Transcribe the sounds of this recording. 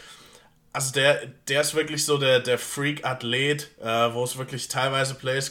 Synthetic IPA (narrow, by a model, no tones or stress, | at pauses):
ʔalzodeːɐd̥eːɐɪstv̥ɪɐklɪçz̥oːdeːɐdeːɐfʁiːkatleːtʔɛːvoːsv̥ɪɐklɪçtʰaɪlvaɪzəpʰl̥ɛɪs